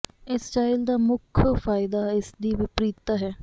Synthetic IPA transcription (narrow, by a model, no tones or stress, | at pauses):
ɪst͡ʃaːɪld̪aːmʊkʰfaːɪd̪aːɪsd̪iːʋɪpɾiːt̪ːaːɦɛː